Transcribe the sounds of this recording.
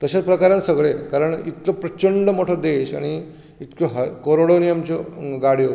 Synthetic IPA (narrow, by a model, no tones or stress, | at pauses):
t̪əɕat͡spɾəkaɾjãnsəɡɭekaɾəɳit̪kopɾət͡ɕəɳɖəmoʈʰɔd̪eɕa̰ɽ̃i | it̪koɦkoɾoɽonijamt͡ɕoɡaɽ̤ijo